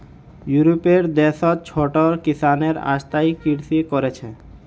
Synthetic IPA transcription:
juɾopeɾd̪eʃɔt͡ɕʰoʈoɾkisaneɾa̰ʃt̪ajkiɾt̪ikoɾet͡ɕʰe

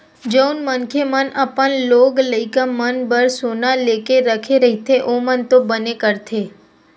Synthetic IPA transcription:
d͡ʒəunmənkʰemənəpənloɡləikamənbəɾsonalekeɾəkʰeɾəɦit̪ʰeʔomənt̪obənekəɾt̪ʰe

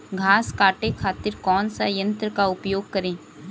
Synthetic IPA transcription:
ɡʱaːskaːʈekʰaːt̪ɪɾkɔːnsajɐ̃nt̪ɾəkaʊpjoːɡ̚kɐɾẽː

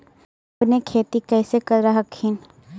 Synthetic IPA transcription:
ɐpnekʰeːt̪ikɛːsekɐɾːɐɦɐkʰhɪn

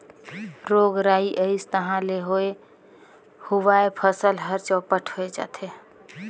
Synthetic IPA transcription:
ɾoɡɾaiʔəɪst̪əɦãleɦoe | huʋaepʰəsəlɦəɾt͡ʃɔpəʈʰɦoed͡ʒa̰ːt̪ʰe

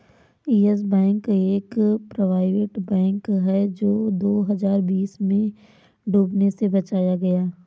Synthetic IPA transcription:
iːɛs̬bɛ̃ːŋkeːkpɾoʋaːɪʋɪʈbɛ̃ːŋkɦɛd͡ʒoːd̪oːɦɐzaːɾbiːsmẽ | ɖʱuːbnesebɐt͡ʃaːjaɡɐjaː

